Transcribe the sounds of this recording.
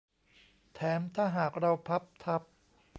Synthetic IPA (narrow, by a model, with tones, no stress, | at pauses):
t̪ʰɛː˩˦mt̪ʰaː˥˩ɦaː˨˩k̚ɾa˧wpʰa˦˥p̚t̪ʰa˦˥p̚